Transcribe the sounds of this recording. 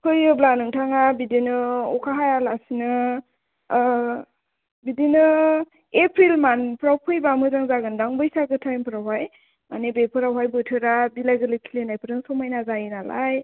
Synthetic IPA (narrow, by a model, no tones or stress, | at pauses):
kʰɯjɯblanɯŋtʰaŋabidinɯɔkʰaɦajalasinɯ | bidinɯ | epʰɾilmanpʰɾawpʰɯjbamɯzaŋzaɡɯndaŋbɯjsaɡɯtʰajmpʰɯɾawɦaj | ma̰nebepʰɯɾawɦajbɯtʰɯɾabilajɡɯlɯkʰilenajpʰɯɾɯŋsɔmajnazajinala̰j